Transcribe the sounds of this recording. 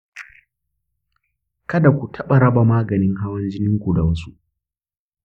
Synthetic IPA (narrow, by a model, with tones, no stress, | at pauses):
kɐ˦da˨kʷu˨tʰɐ˦ɓa˨ɽɐ˦ba˨maː˦ɡɐ˨nɪ˦ŋɦa˦wɐ˦nd͡ʒɪ˦nɪ˦ŋkʷu˨da˨wɐ˦su˦ʔ